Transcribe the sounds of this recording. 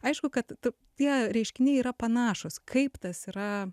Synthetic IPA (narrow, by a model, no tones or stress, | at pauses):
ɐɪʃkʊkɐt̪ʊ | t̪ʲiɛɾʲɛɪʃʲkʲɪnʲɛɪiːɾɐpɐnɑːʃʊskʰɐɪpt̪ɐsiːɾɐ